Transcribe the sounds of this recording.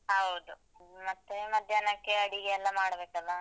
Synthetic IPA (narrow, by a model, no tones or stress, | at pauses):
ɦɐwd̪u | mɐt̪ːemɐd̪ʱjanɐkːeɐɽiɡeːlːɐmaːɽbeːkɐlːɐ